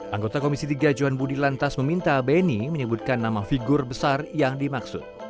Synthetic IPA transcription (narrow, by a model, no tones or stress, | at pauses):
ʔaŋɡot̪akomisit̪iɡad͡ʒuanbudilant̪asməmint̪abeniməɲəbut̪̚kanːamafiɡʊrbəsarjaŋdimaksʊ̰t̪̚